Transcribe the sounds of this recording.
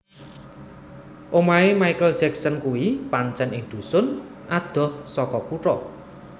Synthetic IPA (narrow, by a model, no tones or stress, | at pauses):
ʔomaemajkəld̥d͡ʒɛksənkuwipaɲt͡ʃɛnɪŋd̪̥ṳsʊn | ʔad̪̥ɔ̤hsɔkɔkuʈɔ